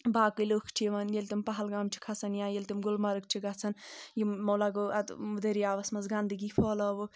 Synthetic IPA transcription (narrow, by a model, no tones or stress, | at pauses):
baːkɨlokʰt͡ʃʰiʋɐnjelʲt̪impɐɦɐlɡaːmt͡ʃʰi̥kʰɐt͡sʰɐnjãːjelʲt̪imɡulmɐɾɨk̚t͡ʃʰiɡɐt͡sʰɐnjimɐwlaɡoɐt̪mud̪eɾiaːʋɐsmɐzɡand̪ɨɡipʰɔːlɐʋu